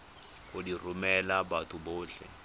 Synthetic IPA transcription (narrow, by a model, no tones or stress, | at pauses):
kʼodirumɛlabatʰuboːɬɛ̰